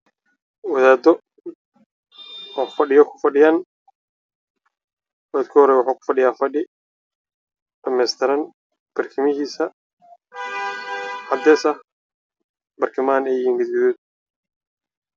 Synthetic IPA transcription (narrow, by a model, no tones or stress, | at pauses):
wɐðaːd̪ɔ | ɔːfɐɖɪjɔkʰʊ̥fɐɖɪjaːn | wad̪kʰɔhɔɾɛjwʊħaːkʰʊ̥fɐɖɪjaːfɐɖɪ | ɖɐmɛːst̪ʰɪɾɐn | b̥ɐrkʰɪmɪɦiːsɐ | ʕɑd̪ɛːsɐh | bɐrkʰɪmaːnɛjjiːŋɡɐd̪ɡɪðuːd̪̚